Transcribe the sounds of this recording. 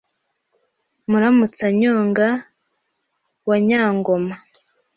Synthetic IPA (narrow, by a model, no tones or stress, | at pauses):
muɾamut͡saɲoːŋɡa | waɲaːŋɡo̞ma